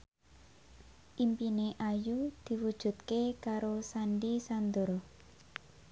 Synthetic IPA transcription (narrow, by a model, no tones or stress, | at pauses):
ʔimpineʔajud̪̥i̤wud̥ʒ̥ṳt̪̚kekaɾosaɳɖisand̪ʊr